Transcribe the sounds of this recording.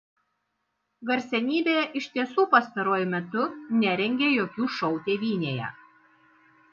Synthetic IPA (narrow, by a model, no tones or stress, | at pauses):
ɡɐɾʲsʲɛnʲiːbʲeːjɛʔɪʃʲt̪ʲiɛsuːpɐst̪ɐɾoɔjʊmʲɛt̪ʊnʲɛɾʲɛŋʲɡʲeːjoːkʲuːʃɒʊt̪ʲeːʋʲiːnʲeːjɛ̰